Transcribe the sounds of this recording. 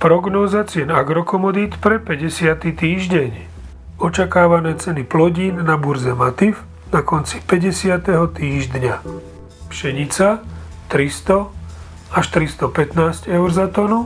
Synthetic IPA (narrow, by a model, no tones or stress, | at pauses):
pɾɔɡnɔːzat͡sɪɛnaɡɾɔkɔmɔd̪iːt̪pɾɛpɛɟɛsɪat̪it̪iːʒɟɛɲ | ɔt͡ʃakaːʋanɛːt͡sɛniplɔɟiːnːabuɾzɛmat̪if | nakɔnt͡si̥pɛɟɛsɪat̪ɛɦɔt̪iːʒd̪ɲa | pʃɛɲit͡sa | t̪ɾist̪ɔ | aʃt̪ɾist̪ɔpɛt̪naːzcɛʊɾzat̪ɔnu